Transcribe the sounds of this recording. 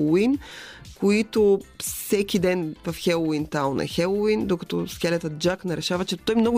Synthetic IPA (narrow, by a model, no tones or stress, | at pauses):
inkoit̪ʊsɛkʲid̪ɛnvɐfxɛlˠoint̪alnʔɛ̰xɛlˠoind̪okɐt̪ɔskʲɛlɛt̪ət̪̚d͡ʒaknɐɾɛʃavɐt͡ʃɛt̪ɔjmnɔɡʊ